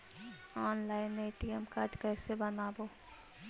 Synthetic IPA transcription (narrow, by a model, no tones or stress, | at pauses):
aːnlaːɪneːʈiːəmkaːʈkɛːsebɐnaːboː